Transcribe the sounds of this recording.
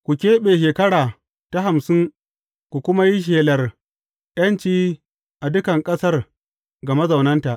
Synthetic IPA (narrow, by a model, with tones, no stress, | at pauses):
kʷu˨kʲeː˦ɓeː˨ʃ̬eː˨kɐ˦ɽaː˨ | ta˨ɦa˨msɪ˦ŋ | kʷu˨kʷʊ˦ma˦ji˦ʃ̬eː˨lɐ˨r | jɐ˦nt͡ʃiː˦ | ʔa˨dʊ˦kɐ˨ŋkʼɐ˦sɐ˦r | ɡɐ˨mɐ˦zɐ˨wnɐ˦nta˨ʔ